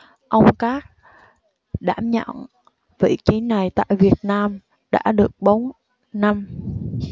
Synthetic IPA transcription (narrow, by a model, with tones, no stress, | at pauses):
ʔə˧wŋ͡mkaː˦˥k̚ | ɗa̰ː˧˥˩mɲə̰˧˨n | vḭ˧˨t͡ɕi˨˦na˨˩jt̪a̰ː˧˨jvi˨˩ət̚naː˧m | ɗa̰ː˧˥ɗɨ˨˩ək̚ɓo˨˦n | na˧m